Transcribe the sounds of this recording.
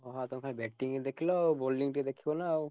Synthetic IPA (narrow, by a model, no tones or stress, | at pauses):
ɔɦat̪umkʰanɛbɛʈːiŋɛd̪ekʰilɔwbolːiŋʈid̪ekʰibɔnaːw